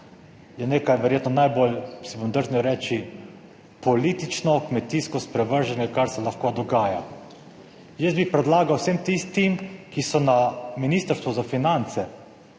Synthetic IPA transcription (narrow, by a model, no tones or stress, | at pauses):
jɛneːkajʋɛɾjeːt̪nɔnajbolsibomd̪əɾznʲiɛwɾɛːt͡ʃi | pɔlit̪it͡ʃnɔkmɛt̪iskɔspɾɛʋəɾʒɛnjɛkaɾsɛlaxkod̪ɔɡaːja | jɛzbipɾɛd̪laːɡawsemt̪ist̪imkisɔnaminist̪əɾst̪ʋɔzafinant̪sɛ